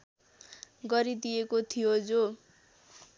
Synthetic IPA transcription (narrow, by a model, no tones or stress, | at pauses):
ɡʌɾid̪ijekot̪ʰijod͡zo